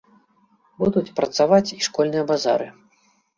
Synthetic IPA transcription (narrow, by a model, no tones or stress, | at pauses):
bud̪ut͡sʲpɾɐt̪savat͡sʲiʂkɔlʲnɨjɐbaza̰ɾɨ